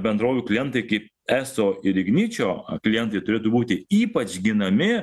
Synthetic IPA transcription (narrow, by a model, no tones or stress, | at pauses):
bʲɛnd̪ɾoːʋʲuːklʲɪjɛnt̪ɐɪkɐɪp̚ | æːsoːɪɾʲɪɡnʲiːt͡ʃʲoːklʲɪjɛnt̪ɐɪt̪ʊɾʲeːt̪uːbuːt̪ʲɪiːpɐt͡ʃʲɡʲɪnɐmʲɪ